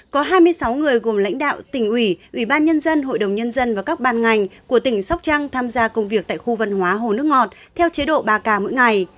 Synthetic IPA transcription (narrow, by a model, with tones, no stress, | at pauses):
kɔ˨˦ɦaː˧jmɨ˧əjsa˨˦wŋɨ˨˩əjɣo˨˩mla̰˧˥jŋ̟ɗa̰ː˧˨wt̪ï˧˩ŋ̟ʔwi˧˩ʔwi˧˩ɓaː˧nɲə˧nzə˧nɦo̰˧˨jɗə˨˩wŋ͡mɲə˧nzə˧nvaː˨˩kaː˦˥k̚ɓaː˧˨nŋa˨˩jŋ̟ku˧˩ət̪ï˧˩ŋ̟sa˦˥k͡p̚t͡ɕa˧ŋt̪ʰaː˧mzaː˧kə˧wŋ͡mvi˨˩ək̚t̪a̰ː˧˨xu˧və˧˩nɦwaː˨˦ɦo˨˩nɨ˦˥ək̚ŋɔ˨˩t̚t̪ʰɛ˧wt͡ɕe˨˦ɗo̰˧˨ɓaː˨˩kaː˨˩mo̰˧˥jŋa˨˩j